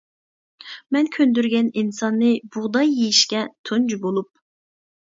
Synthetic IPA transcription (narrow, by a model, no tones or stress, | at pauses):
mɛnkʲʰønd̪yɾɡʲɛninsɑnːɨb̥uʁd̪ɑjːejiʃkʲɛt̪ʰund͡ʒubolˠup̚